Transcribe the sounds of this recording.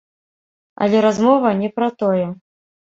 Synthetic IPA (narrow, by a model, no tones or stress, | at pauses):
ɐ̰lʲɛɾazmɔvɐnʲɛpɾɐt̪ɔjɛ